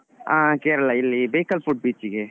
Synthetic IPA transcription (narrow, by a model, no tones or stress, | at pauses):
ãkeɾlailibekəlpʰuʈ̚bit͡ʃike